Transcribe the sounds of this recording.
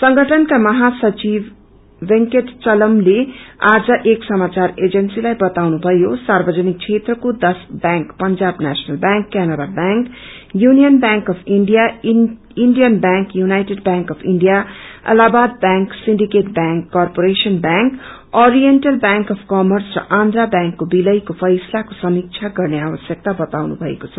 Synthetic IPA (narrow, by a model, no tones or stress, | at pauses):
sʌ̃ŋɡʱəʈʰənkamʌɦasʌt͡ʃiʋː | iŋkeʈt͡ʃʌləmlead͡zaʔeːksʌmaːt͡ʃaɾed͡ʒənsilajbʌt̪awnubʱʌjosaːɾbəd͡zənik̚t͡ʃʰet̪ɾəkod̪ʌsbɛ̃ŋkpənd͡ʒaːbnæsnəlbãŋkːænəɾabãŋk | junijənbãŋkʌpʰiɳɖija | iɳɖijʌnbãŋkjunajʈeɖbjãŋkʌpʰiɳɖijaʌ̰labad̪̚bjãŋksinɖikeʈbãŋkːɔrpoɾesʌnbãŋk | oɾijenʈʌlbjaŋkʌpʰkʌmʌrsrʌ̰ʔãnd̪ɾabjãŋkːobilʌjkopʰʌjslakosʌmik̚t͡sʰaɡʌrneabʌsjʌk̚t̪abʌt̪awnṵbʱʌḛkot͡sʰʌ